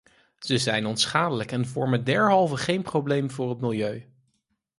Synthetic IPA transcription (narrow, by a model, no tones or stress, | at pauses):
z̥əzɛjnɔntsχaːdələkɛnvɔɹməndɛɹɦɑlˠvəχejnprowblejmvʊːrɦətmɪlˠjøɥ